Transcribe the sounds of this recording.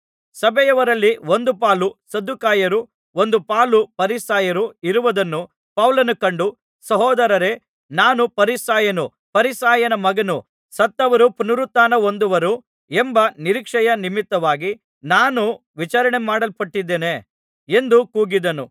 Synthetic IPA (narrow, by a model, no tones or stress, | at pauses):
sɐbɛjɐʋɐɾɐlːio̞nd̪upaːlusɐd̪ːukaːjɐɾu | o̞nd̪upaːlupɐɾisaːjɐɾuiɾuʋɐd̪ɐnːu | pɐwlɐnukɐɳɖu | sɐɦɔːd̪ɐɾɐɾe̞ | naːnupɐɾisaːjɐnu | pɐɾisaːjɐnɐmɐɡɐnu | sɐt̪ːɐʋɐɾupunuɾut̪ːaːnɐo̞nd̪uʋɐɾu | embɐniɾikʂɐjɐnimit̪ːɐʋaːɡi | naːnuʋit͡ʃaːɾɐɳemaːɽɐlpɐʈːid̪ːeːne | e̞nd̪ukuːɡid̪ɐnu